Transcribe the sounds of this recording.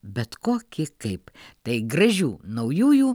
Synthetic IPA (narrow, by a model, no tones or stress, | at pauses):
bʲɛt̪koːkʲɪkɐɪpt̪ɐɪɡrɐʒʲuːnɐʊjuːjuː